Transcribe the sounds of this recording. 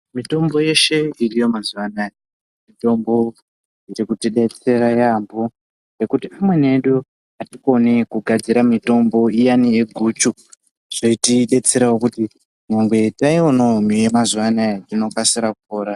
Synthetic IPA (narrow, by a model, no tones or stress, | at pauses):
mito̞mbo̞je̞ʃe̞irijo̞mazuwanaje | mito̞mbo̞ | iɾikutiɗe̞t͡se̞ɾajambo | re̞kutiamwe̞ne̞ɗu | atiko̞nikuɡʱad͡ziɾamito̞mbo̞ijanie̞ɡʱuːt͡ʃu | ʐ̥oitiɗe̞t͡se̞ɾawokuti | ɲaŋɡwe̞taionomijemazuwanaetino̞fasiɾakupoːɾa